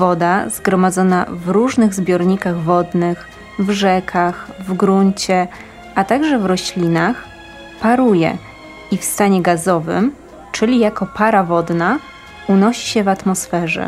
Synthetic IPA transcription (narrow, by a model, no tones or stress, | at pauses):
vɔd̪azɡɾɔmad̪zɔna̰vɾuʐnɘɣzbʲjɔɾɲikaɣvɔd̪nɘx | vʐɛkʰaxvɡɾuɲt͡ɕɛ | ʔat̪aɡʐɛvɾɔɕlʲinax | paɾujɛ̰ | ifst̪aɲɛɡazɔvɘ̰m | t͡ʂɘlʲijakɔpaɾavɔd̪na | unɔɕi̥ɕɛvat̪mɔsfɛʐɛ̰